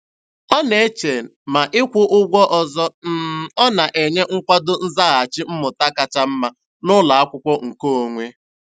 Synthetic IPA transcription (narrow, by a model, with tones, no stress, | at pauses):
ɔ˦ne˨˦t͡ʃe˨n̩˨ma˨ʔɪ˦kʷʊ˦ʔʊ˦ɡʷɔ˦ʔɔ˨zɔ˦n̩˦˨ɔ˦na˨ʔe˨ɲe˦ŋ̩˦kʷa˦dʊ˦n̩˦za˦ɣa˨a˨t͡ʃɪ˦m̩˦mʊ˨ta˦ka˨t͡ʃa˦m̩˦ma˦ | nʊ˦la˨a˦kʷʊ˦kʷɔ˦ŋ̩˨ko˦o˨ŋʷe˦